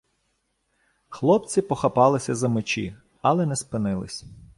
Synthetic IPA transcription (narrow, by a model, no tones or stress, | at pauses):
xlˠɔpt͡sʲipɔxɐpɑlˠɪsʲɐzɐmɪt͡ʃḭ | ɐlˠɛnɛspɪnɪlˠɪ̰sʲ